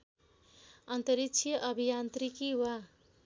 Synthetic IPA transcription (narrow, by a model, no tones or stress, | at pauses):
ʌnt̪ʌɾikt͡sʰijʌʔʌbʱijant̪ɾikiwa